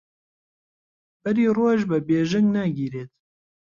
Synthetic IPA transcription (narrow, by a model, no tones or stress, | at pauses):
b̥ɨɾiːroːʒbɨbeːʒɪŋɡnaɡiːɾeːt̪̚